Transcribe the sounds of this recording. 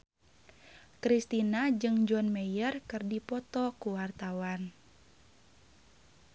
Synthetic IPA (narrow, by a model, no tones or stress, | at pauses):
kɾist̪inad͡ʒɨŋd͡ʒɔnmɛjərkɨrdipɔt̪ɔkuwart̪awan